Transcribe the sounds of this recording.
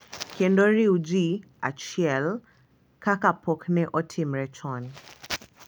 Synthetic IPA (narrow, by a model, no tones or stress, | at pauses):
kʰɛndɔɾiud͡ʒi | a̰t͡ʃjɛl | kakapʰɔknɛʔɔtʰimɾɛt͡ʃʰɔn